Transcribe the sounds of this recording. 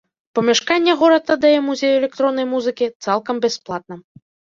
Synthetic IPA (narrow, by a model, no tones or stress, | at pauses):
pɐmʲɛʂkanʲːɛɣɔɾɐt̪ːad̪ajɛmuzʲejuɛlʲɛkt̪ɾɔnːɐjmuzɨkʲit̪salˠkɐmbʲɛsplˠat̪̚nɐ